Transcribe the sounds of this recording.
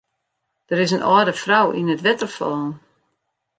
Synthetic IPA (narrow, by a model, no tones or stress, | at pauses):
d̥əɾɪsənʔɔːdəfrawḭnətʋɛtərfɔːn